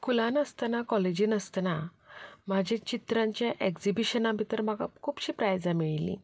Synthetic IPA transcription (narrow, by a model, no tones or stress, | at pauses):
kulãnəst̪nakɔled͡ʑinəst̪nam̤ad͡ʑʱat͡ɕit̪ɾãɲt͡ɕjaʔekd͡zibiɕənãbʱit̪əɾm̤aɡa̰kʰuːpɕiːpɾajad͡zamiɭlḭ̃